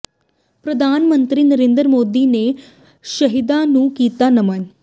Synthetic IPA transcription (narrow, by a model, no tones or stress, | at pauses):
pɾəd̪ʱaːnmə̃nt̪ɾiːnəɾẽːnd̪ɾmoːd̪iːne | ʃəɦɪd̪anũkiːt̪anɐməɲ